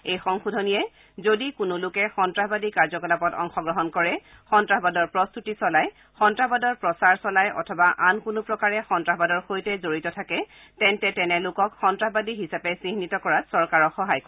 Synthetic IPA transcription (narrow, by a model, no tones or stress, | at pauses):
ejxɔŋxudʱɔnijɛ | zodikʊnʊlʊkɛxɔntɹaɦbadikaɹzɔkɔlapɔtɔ̰ŋxɔɡɹɔɦɔnkɔɹɛ | xɔntɹaɦbadɔɹpɹɔst̪utisɔlaj | xɔntɹabadɔɹpɹɔsaɹsɔlajʔɔ̰tʰɔbaʔankʊnʊpɹɔkaɹɛxɔntɹaɦbadɔɹxojtɛzoɹitɔtʰakɛ | tɛntɛtɛnɛlʊkɔkxɔntɹaɦbadiɦisapɛsiɦnitɔkɔɹatsɔɹkaɹɔxɔɦajk